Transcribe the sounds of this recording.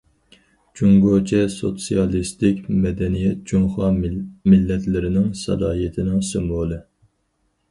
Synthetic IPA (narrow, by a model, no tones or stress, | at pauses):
d͡ʒuŋɡot͡ʃʰɛso̰t̪sijɑlˠist̪ɪkʲmɛd̪ɛnijɛt̪̚d͡ʒuŋχɑmɪlːɛt̪lɪɾɪnɪŋsɑ̰d̪ɑːjet̪ʰɪnɪŋsɨmbolˠɨ